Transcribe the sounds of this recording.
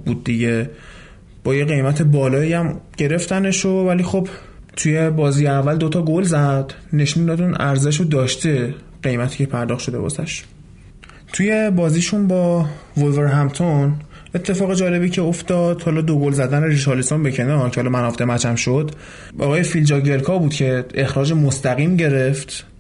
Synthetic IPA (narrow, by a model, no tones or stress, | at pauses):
bud̪̚ːiɟe̞ | b̥ɒːjeɣe̞jmæt̪ʰe̞bɒːlɒːiæmɟ̥e̞ɾe̞ft̪æne̞ʃovæliːxo̞b | t̪ʰuje̞bɒːziːjeævːæld̪o̞t̪ʰɒːɡolzæd̪̥ne̞ʃund̪ɒd̪unæɾzeʃ̬od̪ɒːʃt̪e̞ | ɢe̞jmæt̪ʰiːcʰe̞pʰæɾd̪ɒːxt̪ʃo̞d̪e̞̰bɒ̰sæʃ | t̪ʰuje̞bɒːziːʃunbɒvolveɾɦæmt̪ʰon | e̞t̪ʰːe̞fɒːɣe̞d͡ʒɒːle̞biːcʰeoft̪ɒd̪̥hɒlɒd̪oɡolzæd̪æneɾit̪ʰɒlisombecʰenɒcʰehɒlɒmænɒfd̪emæt͡ʃʰæmʃod̪̥ | ɒ̰ɣɒːjefild͡ʒɒɟelkʰɒbuːd̪cʰe̞exɾɒːd͡ʒe̞most̪æɣiːmɟe̞ɾe̞ft̪